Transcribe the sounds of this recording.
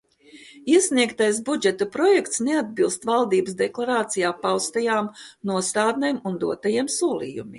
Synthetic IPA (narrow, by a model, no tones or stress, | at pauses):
iɛsniɛkt̪ajsbud͡ʒɛt̪opɾɔjɛkt̪snead̪̚bilˠst̪valˠd̪iːbəsd̪ɛklˠaɾaːt̪sijaːpawst̪ajaːmnuɔst̪aːd̪nemund̪uɔt̪ajiɛmsuɔlˠḭːjumḭː